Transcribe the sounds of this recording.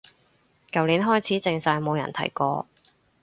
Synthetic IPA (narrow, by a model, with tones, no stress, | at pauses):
kɐ˨wliː˨˥nɦɔː˥jt͡sʰiː˨˥t͡sɪ˧ŋsaː˧jmo˨˧wjɐ̰˨˩nt̪ʰɐ˨˩jkɔː˧